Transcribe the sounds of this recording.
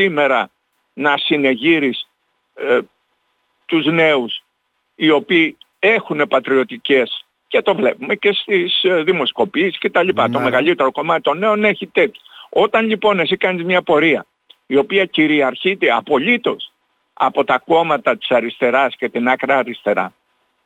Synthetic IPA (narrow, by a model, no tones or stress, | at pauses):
ime̞ɾɐ | nɐsine̞ʝiɾis | t̪uzne̞us | io̞piː | e̞xune̞pɐt̪ɾio̞t̪ice̞s | ce̞t̪o̞vle̞pume̞ce̞st̪isðimo̞sko̞piesi̥sce̞t̪ɐʎipɐt̪o̞me̞ɣɐʎit̪e̞ɾo̞ko̞mɐt̪i̥t̪o̞ne̞o̞neçit̪e̞t̪çoo̞t̪ɐnʎipo̞ne̞s̬ikɐnizmɲɐpo̞ɾiɐ | io̞piɐciɾiɐɾçit̪eɐpo̞ʎit̪o̞s | ɐ̰po̞t̪ɐko̞mɐt̪ɐt̪i̥sɐɾist̪e̞ɾɐsce̞t̪inɐkɾɐːɾist̪e̞ɾɐ̰